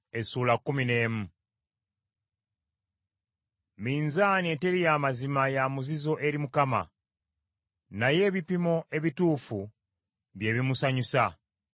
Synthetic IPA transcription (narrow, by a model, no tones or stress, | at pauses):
e̞suːlakːumine̞ːmu | miːnzaːniete̞ɾijaːmazimajamuzizo̞ʔe̞ɾimukama̰ | naje̞ːβipimo̞ʔe̞βituːfu | βje̞ːβimusaɲusa